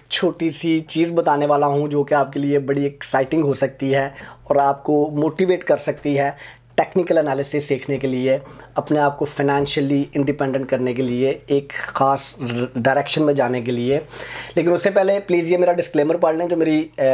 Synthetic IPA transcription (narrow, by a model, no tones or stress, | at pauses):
t͡ʃʰoːʈisit͡ʃiːzbɐt̪aːneʋaːlaɦũd͡ʒoːkeaːp̚keliebɐɽieksaːɪʈɪ̃ŋɡɦosɐk̚t̪iɦɛɔːɾaːp̚komoːʈiʋeːʈkɐɾsɐk̚t̪iɦɛ | ʈɛːknɪkəlɛnaːlɪsɪsːeːkʰnekelieɐpneaːp̚kofaɪnɛ̃ːnʃəliɪ̃ɳɖɪpɛ̃ːɳɖə̃ɳʈkɐɾnekelieeːkxaːsɖaːɪɾɛːkʃənmẽd͡ʒaːnek̬elieleːkɪ̃nʊsːepɛɦlepliːzjemeːɾaɖɪskleːməɾpəlnɦɛ̃d͡ʒoːmeːɾi